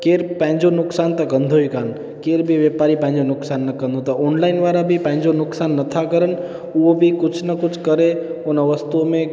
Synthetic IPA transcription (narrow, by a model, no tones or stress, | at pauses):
keːɾpãɪ̃ɲd͡ʒonʊksaːnt̪əɡə̃nd̪ʱoikan | keːɾbʱiʋjepaːɾipãɪ̃ɲd͡ʒonʊksaːnːəkə̃nd̪ʱõt̪ɐoːnlaːɪnʋaːɾabʱipãɦɲd͡ʒonʊksaːnːət̪ʰakəɾən | uobʱikʊt͡ʃʰnəkʊt͡ʃʰkəɾeonaʋəst̪umẽ